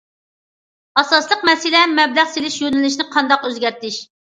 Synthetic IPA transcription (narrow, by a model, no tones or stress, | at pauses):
ɑsɑslˠəqmɛsɪlɛmːɛblæʁselɪʃjønɪlɪʃ̬nɪqʰɑnd̪ɑqøzɡʲɛɾt̪ɪʃ